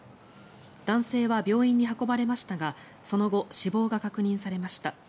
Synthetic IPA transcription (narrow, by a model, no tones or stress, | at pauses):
d̪ãɰ̃se̞ːβabʲo̞ːĩɲ̟ːiɦako̞baɾe̞maɕi̥t̪aɡa | so̞no̞ɡo̞ɕibo̞ːɡakakɯ̟ɲ̟ĩɰ̃saɾe̞maɕi̥t̪a